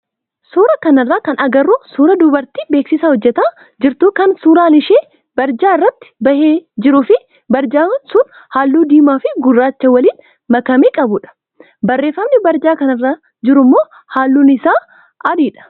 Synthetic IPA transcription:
suːɾɐkɐnɐrːaːkɐnɐɡɐrːuːsuːɾɐd̪ʊbɐɾt̪iːbeːksɪsahɔd͡ʒːɛt̪aː | d͡ʒɪɾt̪uːkɐnsuːɾaːlɪʃeː | bɐɾd͡ʒaːɪrːɐt̪ːɪ̥bɐheːd͡ʒɪɾʊfɪ | bɐɾd͡ʒaːnsʊn | haːlːuːd̪iːmaːfɪɡʊrːaːt͡ʃːɐwɐliːn | mɐkɐmeːkʼɐbʊᶑɐ̥ | bɐrːe̞ːfːɐmnɪbɐɾd͡ʒaːkɐnɐrːaː | d͡ʒɪɾʊmːo̞ː | haːlːuːnɪsaː | ɐd̪iːᶑɐ̥

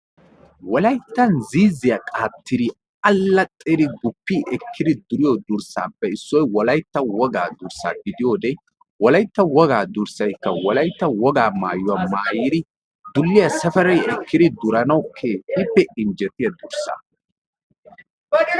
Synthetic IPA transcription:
wɔlɐjt̪ːɐnziːzːɪjɐkʼaːt̪ːɪd̪ɪ | ɐlːɐt̪ʼːedɪɡʊpːiːʔɛkʰːɪd̪ɪd̪ʊɾɪjod̪ʊɾsa̰ːpːɛɪsːɔjwɔlɐjt̪ːɐwɔɡaːd̪ʊɾsa̰ːɡɪd̪ɪjoːd̪ɛ | wɔlɐjt̪ːɐwɔɡaːd̪ʊɾsɐjkːɐwɔlɐjt̪ːɐwɔɡaːmaːjʊwɐmaːjɪd̪ɪ | d̪ʊlːɪjɐsɐfɛɾɐjɛkːɪd̪ɪd̪ʊɾɐnɐwkʰeːtipːɛɪnd͡ʒɛt̪ɪjɐd̪ʊɾsa̰ː

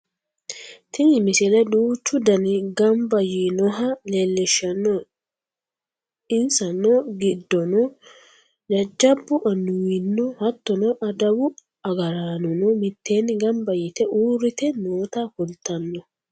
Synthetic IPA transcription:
t̪ɪŋɪmɪsɪlɛᶑuːt͡ʃːʊd̪ɐnɪɡɐmbɐjinɔɦɐlelːɛʃːɐnːɔ | ɪnsɐnːɔɡɪd̪ːɔnɔ | d͡ʒɐd͡ʒːɐbːʊʔɐnːʊwɪnːɔhɐt̪ːɔnɔʔɐd̪ɐwʊ | ɐɡɐɾaːnɔnɔmɪt̪ːeːnːɪɡɐmbɐjɪt̪ɛʔuːɾɪt̪ɛnoːt̪ɐfʊlt̪ɐnːɔ

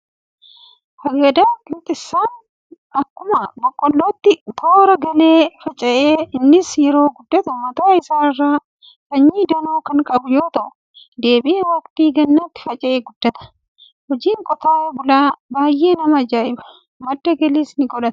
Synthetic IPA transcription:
hɐɡɐd̪aːkɪnt̪ʼɪsːaːn | ɐkːʊmɐbɔkʼːɔlːoːt̪ːɪɡoːɾɐɡɐle̞ːfɐt͡ʃʼɐʔeːɪnːɪsjɛɾoːɡʊd̪ːɐt̪ʊmɐt̪aːɪsaːɪrːaː | kɐɲːiːd̪ɐnoːkɐŋkʼɐbʊjoːt̪ɐʔʊ | d̪e̞ːbɪʔɐwɐkt̪iːɡɐnːat̪ːɪ̥fɐt͡ʃʼɐʔeːɡʊd̪ːɐt̪ɐ̥ | hɔd͡ʒiːŋkʼɔt̪aːjɐbʊlaːbaːjʔe̞ːnɐmɐɐd͡ʒaːʔɪbɐ̥ | mɐd̪ːɐɡɐliːsnɪɡɔᶑɐt̪

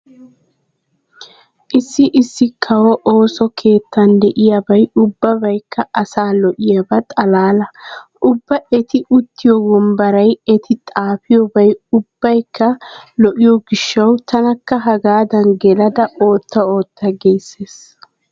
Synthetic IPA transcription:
ʔɪsːɪʔɪsːɪkʰɐwɔʔo̞ːsɔkʰe̞ːt̪ːɐnd̪ɛʔɪjabɐjʊbːɐbɐjkːɐʔɐsaːlɔʔɪjabɐt̪ʼɐlaːlɐʔʊbːɐɛt̪ɪʔʊt̪ʰːɪjɔwɔmbɐɾɐjɛt̪ʰɪt̪ʼaːfɪjɔbɐjʊb̥ːɐjkːɐlɔʔɪjɔɡɪʃːɐwt̪ʰɐnɐkːɐɦɐɡaːd̪ɐnɡɛlɐd̪ɐo̞ːt̪ːɐo̞ːt̪ːɐɡɛjsːeːs

